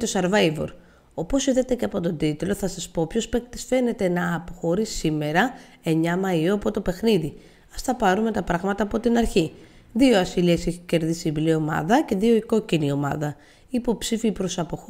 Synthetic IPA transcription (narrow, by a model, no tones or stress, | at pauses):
t̪o̞sɐɾvɐjvo̞̰ɾ | o̞po̞siðet̪e̞ceɐpo̞t̪o̞d̪it̪lo̞θɐsɐspo̞pço̞spekt̪isfe̞ne̞t̪e̞nɐːpo̞xo̞ɾissime̞ɾɐ | e̞ɲɐmɐioɐpo̞t̪o̞pe̞xniði | ɐst̪ɐpɐɾume̞t̪ɐpɾɐɣmɐt̪ɐːpo̞t̪inɐɾçi | ðio̞ɐsilieseçice̞ɾðisiblio̞mɐ̰ðɐce̞ðio̞iko̞cinio̞mɐ̰ðɐ | iːpo̞psifiːpɾo̞sɐpo̞x